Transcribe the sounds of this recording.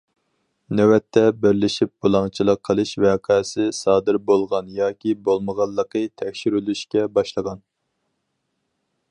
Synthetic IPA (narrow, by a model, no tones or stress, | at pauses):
næwɛt̪ʰːɛbɪɾlɪʃip̚b̥olˠɑŋt͡ʃʰilˠəqʰːəlˠɨʃwæqʰɑːsɪsɑːd̪ɨɾbolˠʁɑnjɑːkʲibolˠməʁɑlˠːəqət̪ʰɛkʲʃiɾylyʃkʲɛbɑʃlˠəʁɑn